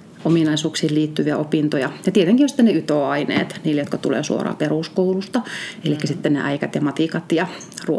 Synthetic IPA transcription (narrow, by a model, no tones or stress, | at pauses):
omiˑnɑisuːksiːlliːt̪ːyʋiæopiˑnt̪ojɑjɑt̪iet̪eŋkijonsit̪ːneyt̪oɑinḛːt̪niːlejot̪kɑt̪ulḛːsṵo̰rɑ̰ːperuˑskoulust̪ɑelikːæsit̪ːennḛʔæikæt̪jɑmɑt̪iˑkɑt̪jɑ | ru